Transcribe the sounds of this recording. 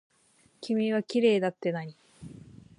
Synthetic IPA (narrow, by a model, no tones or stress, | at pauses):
kʲimʲiβ̞akʲiɾe̞ːd̪at̪ːe̞naɲ̟i